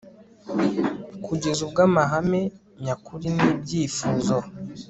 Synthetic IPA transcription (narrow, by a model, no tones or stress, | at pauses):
kʰuɟe̞zubɡaːmaɦame | ɲakuɾiniːbɟiːfuːzo